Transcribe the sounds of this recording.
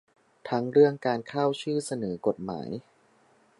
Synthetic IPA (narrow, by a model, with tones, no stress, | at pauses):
t̪ʰa˦˥ŋɾɯ˥˩əŋkaː˧nkʰa˥˩wt͡ɕʰɯː˥˩sa˧nɤː˩˦ko˨˩t̪̚ma̰ː˩˦j